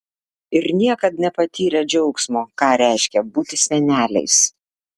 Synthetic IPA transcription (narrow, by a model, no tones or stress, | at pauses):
ɪɾnʲiɛkɐt̪nʲɛpɐt̪ʲiːɾʲɛd͡ʒʲɛʊksmoːkɑːɾʲæˑɪʃʲkʲɛbuːt̪ʲɪsʲɛnʲæːlʲɛ̰ɪs